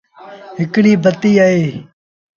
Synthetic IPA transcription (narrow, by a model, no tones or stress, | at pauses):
ɦɪkɽiːbʱət̪iːaːeː